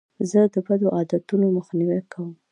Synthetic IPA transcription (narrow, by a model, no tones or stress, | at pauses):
zəd̪əbad̪oʔɑd̪at̪unoməxniwakʰawəm